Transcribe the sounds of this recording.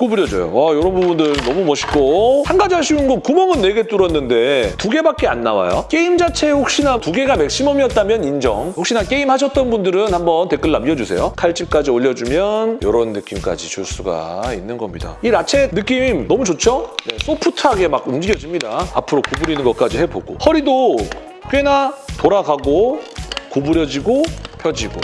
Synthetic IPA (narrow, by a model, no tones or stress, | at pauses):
kobuɾjʌd͡ʑo̰jo̰ajʌɾʌbobundɯɭnʌmumʌɕʰi̥k͈ohanɡad͡ʑaɕʰiunɡʌnkumʌŋɯnːe̞ɡe̞t͈uɾʌnːɯnde̞tuɡe̞bak͈e̞a̰nːawa̰jo̰k͈e̞imd͡ʑat͡ɕʰe̞ɸok̚ɕ͈inatuɡe̞ɡamek̚ɕ͈imʌmiʌt̚t͈amjʌnind͡ʑʌŋɸokɕ͈inak͈e̞imhaɕ̬ʰʌt̚t͈ʌnbundɯɾɯnhambʌnte̞k͈ɯɭːamiʌd͡ʑusʰe̞̰jokʰaɭt͡ɕ͈imk͈ad͡ʑioʎːʌd͡ʑumjʌnjʌɾʌnːɯk͈imk͈a̰d͡ʑit͡ɕuɭs͈uɡa̰inːɯnɡʌmɲida̰iɾat͡ɕʰe̞nɯk͈imnʌmut͡ɕot͡ɕʰone̞s͈ʰopʰutʰaɡe̞maɡumd͡ʑiɡjʌd͡ʑimɲidaa̰pʰɯɾokobuɾinɯnɡʌt̚k͈ad͡ʑihe̞boɡo̰hʌɾido | k͈ɥe̞natoɾaɡaɡo | kobuɾjʌd͡ʑiɡopʰjʌd͡ʑiɡo̰